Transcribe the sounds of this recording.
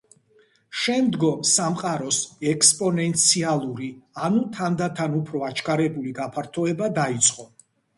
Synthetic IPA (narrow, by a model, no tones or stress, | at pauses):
ʃɛmd̪ɡɔmsamqʼaɾɔsɛkspʼɔnɛnt̪sʰialˠuɾianut̪ʰand̪at̪ʰanupʰɾɔat͡ʃʰkʰʼaɾɛbuliɡapʰaɾt̪ʰɔɛbad̪ait̪sʼqʼɔ